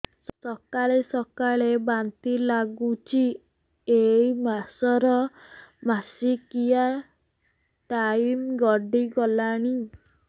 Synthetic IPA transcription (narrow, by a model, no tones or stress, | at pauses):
ssɔkaɭesɔkaɭebant̪ilaɡut͡ʃʰi | eimasɔɾɔmasikija | ʈaimɡɔɖiɡɔlaɽ̃i